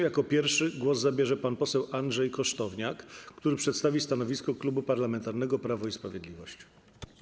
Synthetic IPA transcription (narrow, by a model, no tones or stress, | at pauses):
jakɔpʲjɛɾfʂɘɡwɔzzabʲjɛʐɛpanpɔsɛwʔandʐɛjkɔʂt̪ɔvɲakːt̪uɾɘpʂɛt̪st̪avʲist̪anɔvʲiskɔklubupaɾlamɛnt̪aɾnɛɡɔpɾavɔispɾavʲjed̪lʲivɔɕt͡ɕ